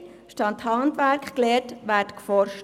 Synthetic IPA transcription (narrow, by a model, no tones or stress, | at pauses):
ʃtɑnthɑntʋæɾkkleːtʋæːɾtkfɔɾʃt